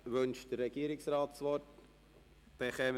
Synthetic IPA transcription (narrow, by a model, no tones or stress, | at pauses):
ʋɵnʃd̥əɾːɛɡ̥iːəɾɪksraːtsʋɔt | b̥eχɛm